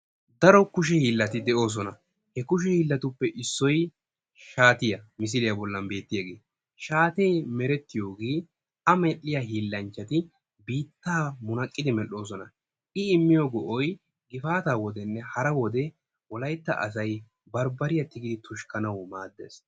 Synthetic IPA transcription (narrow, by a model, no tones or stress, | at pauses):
d̪ɐɾɔkʊʃ̬ɛhiːlːɐt̪ɪd̪ɛʔo̞ːs̬ɔnɐ | hɛkʊʃ̬ɛhiːlːɐt̪ʊpːɛʔɪsːɔj | ʃaːt̪ɪjɐmɪs̬ɪlɪjɐbɔlːɐmbe̞ːt̪ːɪjɐɡe̞ː | ʃaːt̪e̞ːmɛɾɛt̪ːɪjo̞ːɡeː | ɐmɛʔːɪjaɦiːlːɐnt͡ʃːɐt̪ɪ | biːt̪ːaːmʊnɐkʼːɪd̪ɪmɛlːo̞ːs̬ɔnɐ | ʔɪɪmːɪjoɡɔʔɔj | ɡɪfaːt̪aːwɔd̪ɛnːɛhɐɾɐwɔd̪ɛ | wɔlɐjt̪ːɐ̰ʔɐ̰sɐj | bɐɾbɐɾɪjɐt̪ːɪɡɪd̪ɪt̪ʊʃkɐnɐwmaːd̪ːḛːs